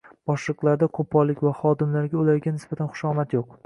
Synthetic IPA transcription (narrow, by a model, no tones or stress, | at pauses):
b̥ɒʃlˠɨqlˠaɾd̪akʰopʰːɒlːɪkʲvaχɒd̪ɪmlaɾɡʲaʊlaɾɡʲanɪsb̥at̪ʰanχʊ̥ʃɒmat̪joq̚